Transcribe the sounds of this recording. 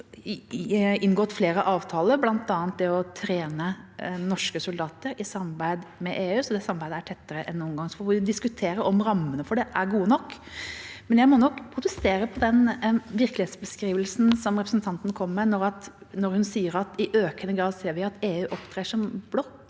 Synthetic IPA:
ɪnɡɔːt̪fleːɾəʔɑːʋt̪ʰɑːləɾblɑnt̪ɑːənt̪̚d̪ɛɔt̪ʰɾeːnənɔʂkəsʊld̪ɑːt̪əɾɪsɑmɑɾbæɪd̪mɛʔeːʉːsɔd̪ɛsɑmbæɪd̪əæʈʰɛt̪ːəɾəʔɛnːɔːmɡɑŋsɔfɔɔʋɪd̪ɪskʉt̪ʰeːɾəʔɔmɾɑmːənəfɔɖɛʔæɾɡuːənɔkː | mɛnjæɪmɔnɔkːpʰɾʊt̪əst̪eːɾəpʰɔd̪ɛnʋɪɾklɪheːt̪sbəskɾiːʋəlsn̩sɔmɾɛpɾəsnt̪ʰɑnt̪n̩kʰɔmːɛnɔɾɑt̪nɔɾhʉnsiːəɾɑt̪ɪʔøːkənəɡɾɑːd̪seːɾʋɪɑt̪eːʉːʔɔpt̪ʰɾeːʂɔmblɔt̪

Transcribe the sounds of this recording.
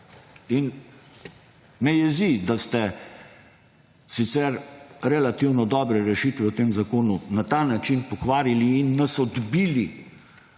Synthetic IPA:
in | mɛjɛzid̪ast̪ɛ | sit̪sɛɾɾɛlat̪iwnɔd̪ɔːbɾɛɾɛʃit̪ʋɛwt̪eːmzakoːnunat̪anat͡ʃinpɔkʋaːɾiliːnːasɔd̪biːli

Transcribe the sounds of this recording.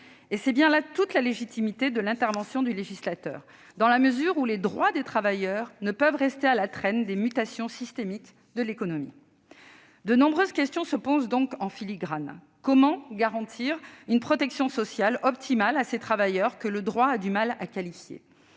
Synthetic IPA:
esɛbjɛ̃lat̪ut̪laleʒit̪imit̪ed̪əlɛ̃t̪ɛʁvɑ̃sjɔ̃d̪yleʒislat̪œ̰ːʁ | d̪ɑ̃laməzyʁuled̪ʁwad̪et̪χavajœʁnəpœvʁɛst̪ealat̪χɛnd̪emyt̪asjɔ̃sist̪emik | d̪əlekɔnɔmḭ | d̪ənɔ̃bʁøzkʲɛst̪jɔ̃səpozd̪ɔ̃kɑ̃filiɡʁan | kɔmɑ̃ɡaʁɑ̃t̪ʰiʁynpχɔt̪ɛksjɔ̃sɔsjalɔp̚t̪ʰimalaset̪χavajœʁkələd̪ʁwaːd̪ymalakalifjḛ

